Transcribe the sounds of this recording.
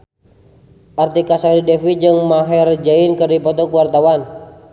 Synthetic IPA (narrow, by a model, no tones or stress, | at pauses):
ʔart̪ikasaiɾidɛfid͡ʒɨŋmaɦɛrd͡ʒainkɨrdipɔt̪ɔkuwart̪awan